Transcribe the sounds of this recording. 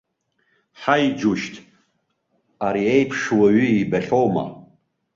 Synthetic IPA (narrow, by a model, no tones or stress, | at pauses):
ħajd͡ʒuʃtʰʼ | aɾiejpʰʂwaɥiibaɬʲowma̰